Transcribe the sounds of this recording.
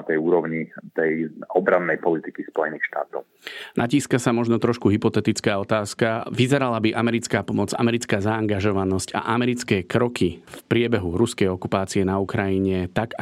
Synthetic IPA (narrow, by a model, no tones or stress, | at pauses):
t̪ɛjuːɾɔʊɲit̪ɛjɔbɾanːɛjpɔlit̪ikispɔjɛniːxʃt̪a̰ːt̪ɔ̰ʊnaciːskasamɔʒnɔt̪ɾɔʃkuɦipɔt̪ɛt̪it͡skaːɔt̪aːskaʋizɛɾalabiʔamɛɾit͡skaːpɔmɔd͡za̰mɛɾit͡skaːzaːŋɡaʒɔʋanɔsca̰ʔamɛɾit͡skɛːkɾɔkʰifpɾɪɛbɛɦuɾuskɛjɔkupaːt͡siɛnaukɾajiɲɛt̪ak